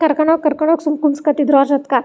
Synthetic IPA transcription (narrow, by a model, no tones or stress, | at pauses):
kɐɾkɐɳ̃ɔkɐɾkɐɽ̃ɔksumkunskɐt̪id̪ɾɔːd͡ʒɐt̪ka